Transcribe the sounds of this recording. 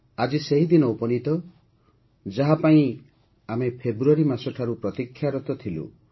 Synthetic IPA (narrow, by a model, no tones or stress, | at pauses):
ad͡ʒiseɦid̪inɔupɔnit̪ɔ | d͡ʒaɦapaĩ | amepʰebɾuaɾimasɔʈʰaɾupɾɔt̪ikʰːjaɾɔt̪ɔt̪ʰilṵ